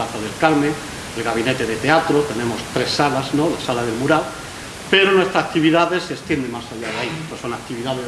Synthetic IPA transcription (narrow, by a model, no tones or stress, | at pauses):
aθaðe̞lkalme | elɣaβ̞ine̞t̪e̞ðe̞t̪eat̪ɾo̞t̪e̞nẽ̞mo̞st̪ɾe̞sːalazno̞lasalaðe̞lmuɾal | pe̞ɾonwe̞st̪ɾaːk̚t̪iβiðaðe̞se̞st̪jend̪e̞masaʎaðeait̪oso̞nak̚t̪iβiðaðe